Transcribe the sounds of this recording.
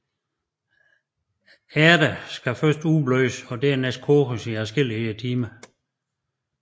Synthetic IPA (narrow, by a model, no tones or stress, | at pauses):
æɐɾ̥əsɡ̥æfɶɐsd̥ub̥løːsɒ̽d̥ɛɐneskʰoːʁəsiæsɡ̥el̰iət͡sʰiːmə